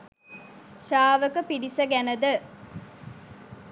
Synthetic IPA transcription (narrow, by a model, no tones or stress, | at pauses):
ʃaːʋəkəpiɖisɐɡænəd̪ə